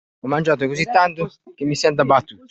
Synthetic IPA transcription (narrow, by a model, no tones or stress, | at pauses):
ɔmːand͡ʒaːt̪ʊkosit̪ːant̪ʊ | k̟emːisɛnt̪̬abːat̪ːuːt̪